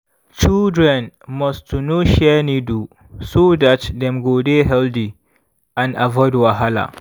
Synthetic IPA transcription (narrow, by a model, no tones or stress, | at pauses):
t͡ʃɪldɹɛ̃nmɔstunoʃɛniːdu | sodatdɛmɡodeɦɛldi | ʔãnʔavɔɪdwaɦala̰